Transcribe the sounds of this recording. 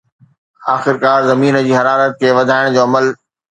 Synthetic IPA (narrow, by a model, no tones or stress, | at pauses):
aːxɪɾkaːɾzɐmiːnə̆d͡ʑiːɦɐɾaːɾət̪̚kʰeːʋɐd̪ʱaːɪɽ̃d͡ʑoːɐməl